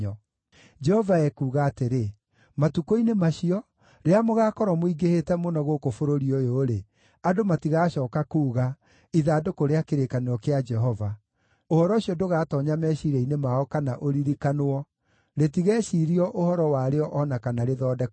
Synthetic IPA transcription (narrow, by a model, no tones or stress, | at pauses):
ɔ | d͡ʒɛhɔvaɛkuːɣaːteɾe | matukoinemaʃiɔ | ɾeamoɣakɔɾɔmoiɡehetɛmonɔɣokofoɾoɾiɔjoːɾe | adomatiɣaɕɔːkakuːɣa | iðaːdokoɾeakeɾekanoɾɔkead͡ʒɛɦɔva | ohɔɾɔɕiɔdoɣaːtɔɲamɛɕiɾɛinemaɔkanaʔoɾiɾikanoɔ | ɾetiɣɛːɕiɾiɔʔohɔɾɔwaɾeɔʔɔnakanaɾeðɔːdɛ